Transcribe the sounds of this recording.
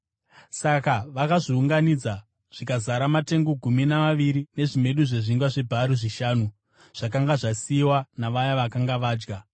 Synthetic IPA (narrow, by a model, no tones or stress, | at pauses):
sakaʋakaʐiuŋɡanid͡za | ʐ̥ikazaɾamate̞ŋɡo̞ɡʱuminaʋaʋiɾine̞ʐime̞ɗuʐe̞ʐiŋɡwaʐe̞bʱaɾuʐiʃaːnu | ʐ̥ak̬aŋɡaʐasiwanaʋajaʋakaŋɡaʋaːd͡ʒɡa